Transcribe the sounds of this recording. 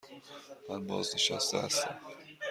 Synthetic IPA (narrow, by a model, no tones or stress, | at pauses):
mænbɒːzneʃæ̰st̪ehæst̪æm